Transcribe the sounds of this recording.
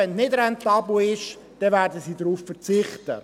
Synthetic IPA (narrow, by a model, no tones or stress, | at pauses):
ɛnnɪdɾɛntɑːbl̩ɪʃ | d̥ɛvæːɾdəsiːdɾuːffəɾt͡sɪχtə̰